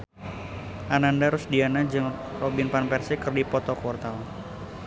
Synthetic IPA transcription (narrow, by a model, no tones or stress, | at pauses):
ʔanandaɾʊsdianad͡ʒɨŋ | rɔbinpanpɛrsikɨrdipɔt̪ɔkwɔrt̪al